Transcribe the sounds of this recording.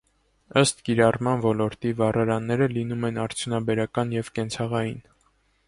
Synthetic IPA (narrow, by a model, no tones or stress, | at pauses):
əst̪kiɾɑrmɑnvɔlɔɾt̪ivɑrɑɾɑnːɛɾəlinumɛnɑɾt͡sʰjunɑbɛɾɑkɑnjɛvkɛnt͡sʰɑʁɑjin